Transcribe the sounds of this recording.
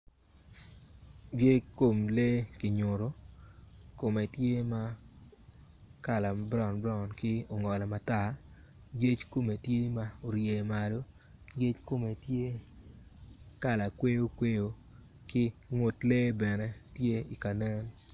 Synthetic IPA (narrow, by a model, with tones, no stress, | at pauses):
bje˦kːo˨mle˦kɪ˨ɲo˨ɾo˦ | ko˨me˨tje˦ma˦ | ka˨la˨bɾɔ˨nbɾɔ˦˨nkɪ˦o˨ŋɔ˨la˨ma˨ta˦˨ | je˦t͡ʃko˦me˨tje˦ma˦o˨ɾje˨ma˨lo˦ | ɡe˦t͡ʃko˦me˨tje˦ | ka˦˨la˨kwe˦jo˦kwe˦jo˨ | kɪ˦ŋo˨tle˦bɛ˨nɛ˦tje˦i˨ka˨nɛ˦n